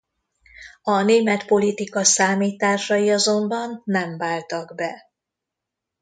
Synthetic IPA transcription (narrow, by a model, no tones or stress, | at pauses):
ɒneːmɛt̪po̞lit̪ikɒsaːmiːt̪aːrʃɒjiɒzo̞mbɒnːɛɱvaːlt̪ɒɡbɛ